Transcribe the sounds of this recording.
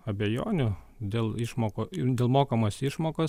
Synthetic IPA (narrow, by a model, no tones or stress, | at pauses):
ɐbʲejo̰ːnʲʊ | d̪ʲeːlˠɪʃmoːkod̪ʲeːlˠmoːkɐmɐsɪʃmoːkɐs